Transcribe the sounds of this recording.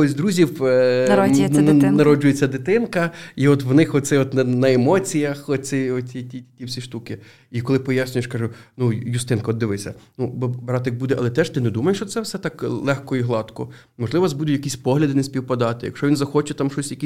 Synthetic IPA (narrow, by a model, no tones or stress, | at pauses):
ɔsʲd̪ɾuzʲiw | nɐɾɔd͡ʒʊjet͡sʲːɐd̪ɪt̪ɪnkɐiɔt̪ʋnɪxɔsɛɔt̪nɐnɐemɔt͡sʲijɐxɔt͡sʲɪɔitʲitʲiwsʲiʃt̪ukɪ | ikɔlˠɪpɔjasʲnʲʊjeʃkɑʒʊnujʊst̪ɪnkɐɔd̪ːɪʋɪsʲɐ̰nubbɾɑt̪ɪk̚bud̪ɛʔɐlˠɛt̪ɛʃt̪ɪnɛd̪umɐjeʃt͡ʃɔt̪sɛwsɛt̪ɑklˠɛxkɔiɦlˠɑt̪kɔ | mɔʒlˠɪʋɐɐzbud̪ʊt̪ʲjɐkisʲpɔɦlʲɐd̪ɪnesʲpʲiwpɐd̪ɑt̪ɪjɐ̰kʃt͡ʃɔʋʲinzɐxɔt͡ʃɛt̪ɑmʃɔsʲjɐkisʲ